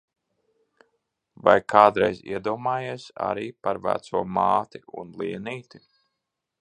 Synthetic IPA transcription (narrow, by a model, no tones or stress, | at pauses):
vajkʰaːd̪ɾɛjzḭɛd̪uɔmaːjeɛsa̰ɾiːpaɾvæ̰t̪suɔmaːt̪iṵnlˠiɛniːt̪i